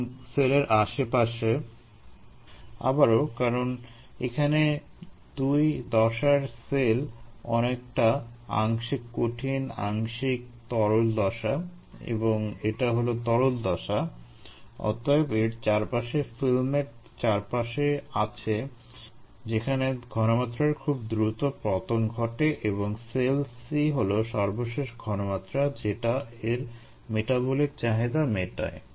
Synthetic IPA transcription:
seleɾʔaʃepaʃe | a̰baɾokaɾon | ekʰane | d̪̥ujd̪ɔʃaɾselɔ̰nek̚ʈaa̰ŋʃikːoʈʰina̰ŋʃik̚t̪ɔɾold̪ɔʃa | ḛboŋeʈaɦolot̪ɔɾold̪ɔʃa | ɔ̰t̪aebeɾt͡ɕaɾpaʃefilmeʈt͡ɕaɾpaʃeat͡ɕʰe | d͡ʑekʰaneɡʱɔnomat̪ːɾaɾkʰubd̪ɾut̪opɾɔt̪omɡʱɔʈeʔeβoŋselsiɦoloʃɔɾboʃeʃɡʱɔnomat̪ːɾad͡ʑeʈaeɾ | meʈabolik̚t͡ɕaɦed̪ameʈa̰e

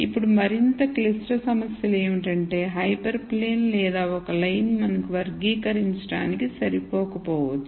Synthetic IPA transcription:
ipːuɽumɐɾint̪ɐklisʈɐsɐmɐsjɐleːmiʈɐɳʈe̞ːɦɐjpɐɾpleːnlɛːd̪aːɔkɐlɐjnmɐnɐkuʋɐɾɡiːkɐɾiɲt͡ʃɐʈa̰ːnikisɐɾipɔːkɐpɔːʋɐd̪ːu

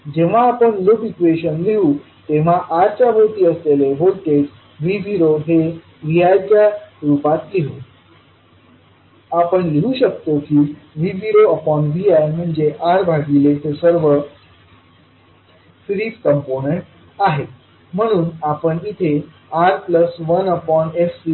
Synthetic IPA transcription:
d͡ʑeʋ̤aːpəɳlobikʋeɕənliɦuː | t̪eʋ̤aʔaɾt͡ɕjabʱot̪iːəsleleɦolʈed͡ʑ | ʋiʋiɾoɦe | ʋiajd͡ʑjaɾupat̪liɦuː | apəɳliɦuɕək̚t̪okiːʋiʋiɾoəpɔɳʋiajm̤əɳd͡zeʔaɾbʱaɡilet̪esəɾʋə | fɾiːpkəmponeɳʈ | aɦe | m̤əɽ̃uːnapəɳit̪ʰe | aɾpləsʋənəpɔnefsi

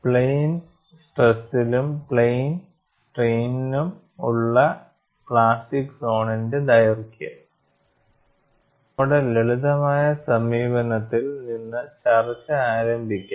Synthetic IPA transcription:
pɭejn | sʈresilumpɭejn | sʈriːnnum | uɭːɐ | pɭaːsʈikso̞ːɳɐnded̪ɐjɐrkjɐ̰ | uɽeleɭuðɐmaːjɐsɐmiːbɐnɐt̪ːilninːɨt͡ɕɐrɐt͡ɕːɨaːɾɐmbʱikʲːa

